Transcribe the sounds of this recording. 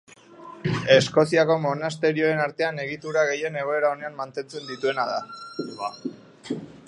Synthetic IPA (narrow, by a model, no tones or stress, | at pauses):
e̞sko̞siako̞mo̞nast̪e̞ɾio̞e̞naɾt̪e̞ane̞ɣ̞it̪uɾaɣe̞je̞ne̞ɣ̞o̞e̞ɾao̞ne̞ammant̪e̞nt͡se̞nd̪it̪ue̞nað̞a̰